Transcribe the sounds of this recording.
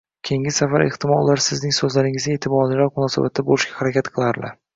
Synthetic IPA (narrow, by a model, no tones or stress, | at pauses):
kʲʰe̞ŋʲɪsafaɾeht̪ʰɪmɒlˠːaɾsɪznɪŋsɵzlaɾɪŋɪzɡʲaeːt̪ʰɪbɒːd̪ɪlaɾmʊnɒsaba̰t̪̚ːabolɪʃkʲahaɾakʲat̪qʰɨlˠaɾɪlaɾ